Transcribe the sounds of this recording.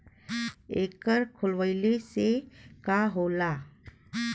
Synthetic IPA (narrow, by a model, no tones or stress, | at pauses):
eːkəɾkʰʊlʋəɪlesekaɦoːlaː